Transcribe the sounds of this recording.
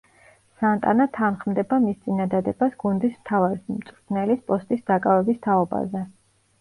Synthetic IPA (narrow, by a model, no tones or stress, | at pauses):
sant̪ʼa̰nat̪ʰanχmd̪ɛbamist̪sʼinad̪ad̪ɛbasɡ̥und̪ismt̪ʰavaɾismt̪sʼɾt̪ʰnɛlispʼɔst̪ʼisd̪akʼavɛbist̪ʰaɔba̰zɛ